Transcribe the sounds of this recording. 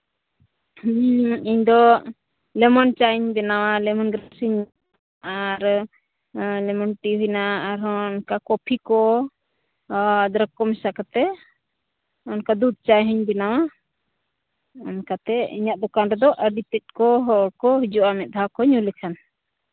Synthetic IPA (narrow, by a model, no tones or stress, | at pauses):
iɲd̪ɔ | lɛmɔnt͡ʃaɲbɛnawalɛmɔnɡɾasiɲ | ʔaɾ | lɛmɔnʈibinaːɾɦɔ̃nkakɔpʰikɔ | d̪ɾəkːɔmɛsakat̪ɛ | ɔnkad̪ud̪̚t͡ʃajɦəɲbɛnawa | ɔnkat̪ɛḭɲaʔ̚d̪ɔkanɾɛd̪ɔʔəɾɖit̪ɛt̚kɔɦɔɾkɔɦid͡ʒuʔamɛt̪̚d̪ʱakɔɲulɛkʰan